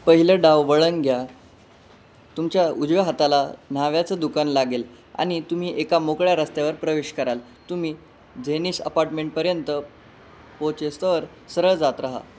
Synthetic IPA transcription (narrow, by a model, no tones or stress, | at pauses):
pəɦiləɖaʋʋəɭəŋɡʱja | t̪umt͡ɕjaud͡ʑʋeɦat̪alan̤aʋjat͡səːd̪ukanlaɡel | a̰ɽ̃it̪um̤iːʔekamokɭjaɾəst̪eʋəɾpɾəʋeɕkəɾal | t̪um̤iː | d͡zeniːsə̰paɾʈmeɳʈ̚pəɾjənt̪ə | pot͡ɕest̪əʋəɾ | səɾəɭd͡zat̪ɾaɦa̰